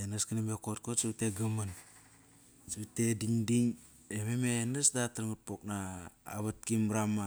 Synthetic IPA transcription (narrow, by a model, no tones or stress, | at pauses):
enaskinemekot̚kotsiβteɡaman | siβutediŋdiŋ | ememenasdataɾŋut̚pokna̰ːβat̚kimɾama